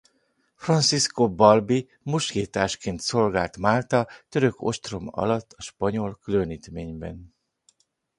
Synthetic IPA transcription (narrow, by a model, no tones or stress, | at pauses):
frɒnt̪siskobɒlbi | muʃɡeːt̪aːʃkeːnt̪so̞lɡaːlt̪maːlt̪ɒt̪ø̞ɾø̞ko̞̰ʃt̪ro̞mɒ̰lɒt̪ːɒʃpɒɲo̞lkyløniːt̪meːɲbɛ̰n